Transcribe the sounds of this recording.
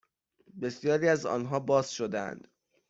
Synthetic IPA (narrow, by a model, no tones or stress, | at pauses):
be̞sjɒːɾiːæzɒ̰ːnɦɒːbɒːz̥ʃod̪eæ̰nd̪̥